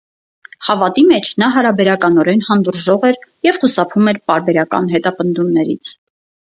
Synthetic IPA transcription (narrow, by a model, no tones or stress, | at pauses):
hɑvɑt̪imɛt͡ʃʰnɑɦɑɾɑbɛɾɑkɑnɔɾɛnhɑnd̪uɾʒɔʁɛɾjɛvχusɑpʰumɛɾpɑɾbɛɾɑkɑ̰nɦɛt̪ɑpənd̪umnɛɾḭt͡sʰ